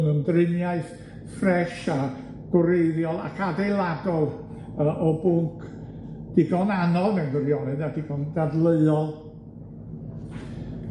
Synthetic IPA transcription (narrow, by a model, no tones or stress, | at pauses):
nəndrɪnjaɨθ | frɛʃa | ɡ̥ʊɾeɨðjɔlˠa̰kʰadejlˠadɔlˠ | əʔɔbʊŋkʰ | d̥ɪɡɔnanɔlˠnɛwnvəɾjɔnɨnadɪɡɔndadlˠəɨɔlˠ